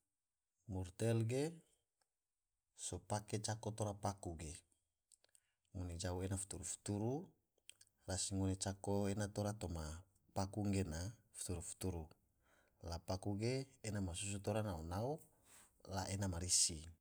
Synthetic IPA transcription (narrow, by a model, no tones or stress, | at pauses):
murt̪ɛlɡe | sopaket͡ʃakot̪oɾapakuɡe | ŋuned͡ʒauenafu̥t̪uɾufu̥t̪uɾu | rasiŋunet͡ʃakoenat̪oɾat̪oma | pakuŋɡenafu̥t̪uɾufu̥t̪uɾu | lapakuɡeːnamasus̬ut̪oɾanaonao | laʔenamaɾisi